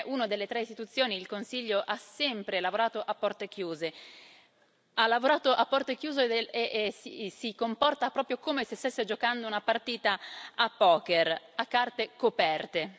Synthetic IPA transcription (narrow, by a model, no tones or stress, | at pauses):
ʔunod̪elːet̪ɾeist̪it̪ut̪sːjoːniːlkonsiʎːoʔasɛmpɾelavoɾaːt̪oʔapːɔrt̪ek̟juːze | alːavoɾaːt̪oʔapːɔrt̪ek̟juːzeeʔsisikompɔrt̪apɾɔːpɾjokomesest̪esːed͡ʒokand̪ounapart̪iːt̪aapːɔːker | akːart̪ekopɛrt̪e